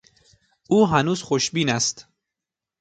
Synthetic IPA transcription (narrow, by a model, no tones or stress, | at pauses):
ʔuːɦænuːz̥xoʃbiːnæst̪